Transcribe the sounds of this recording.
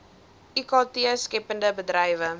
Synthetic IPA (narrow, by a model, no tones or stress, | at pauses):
ʔikɔtiəskɛpəndəbədɾɐjvə